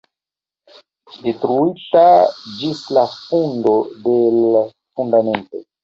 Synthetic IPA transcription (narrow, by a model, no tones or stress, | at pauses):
detɾuitad͡ʒislafundo̞de̞l | fundame̞nto̞̰